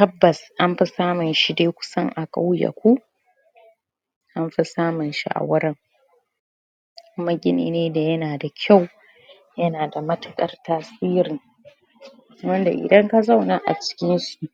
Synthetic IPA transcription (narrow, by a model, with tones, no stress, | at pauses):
kɐ˦bːɐ˨sʔa˦mɸi˦saː˦mʊ˨nʃi˦deː˦kʷʊ̥˦sɐ˦ŋʔa˨kʼa˦wja̰˨kʷu˦ | ʔa˦mɸi˦saː˦mʊ˨nʃḭ˦ʔa̰˨wɐ˦ɾɐ˦ŋ | kʷʊ˦ma˦ɡʲɪ˦nḭː˦neː˦da˨jɐ˦naː˨da˨kʲʰa˦˨w | jɐ˦naː˨da˨mɐ˦tɐ˨kʼɐ̰˦rtaː˦siː˦ɾɪ˨ŋ | wɐ˦nda̰˨ʔɪ̰˨dɐ˦ŋka˦za˦wnaː˦ʔa̰˨t͡ʃɪ̥˦kʲɪ˦nsu˨ʔ